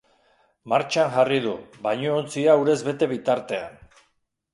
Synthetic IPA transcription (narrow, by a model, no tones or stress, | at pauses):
maɾt͡ʃanʝarið̞uβajɲoont͡siauɾe̞zβe̞t̪e̞β̞it̪aɾt̪e̞a̰n